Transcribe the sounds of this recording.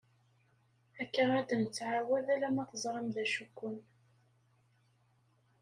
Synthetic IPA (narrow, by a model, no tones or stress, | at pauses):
ækːənæd̪ənət͡sːʕawæðælæmæθəzˤɾˤəmðæʃukːʊn